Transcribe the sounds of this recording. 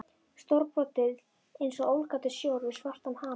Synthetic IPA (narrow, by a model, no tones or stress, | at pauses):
st̪ɔɾpɾɔt̪ɪð | ejnsɔowlkaːt̪ʏsjowɾvɪðsvar̥t̪amhaː